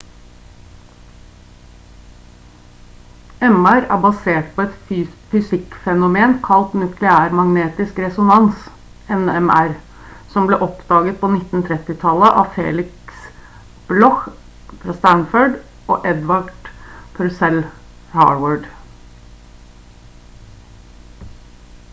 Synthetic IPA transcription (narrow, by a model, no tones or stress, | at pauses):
ɛmæɾæ̰ːbɑseːʈpʰɔɛt̪ːfʏsɪkfɛnʊmeːnkʰɑlt̪nʉkʰlɛæːɾmɑŋneːt̪ɪskɾɛsʊnɑns | ɛnɛmæɾ | sɔmbleːʔɔpd̪̥ɑːɡət̪̚pʰɔnɪt̪n̩t̪ʰɾɛt̪ɪt̪ʰɑlːəʔɑ̰ːʋfḛːlɪks | b̥lɔx | fɾɑst̪ænføɖ | ʔo̰ːʔɛd̪ʋɑɖpʰɾsɛl | hɑ̰ːʋəɖ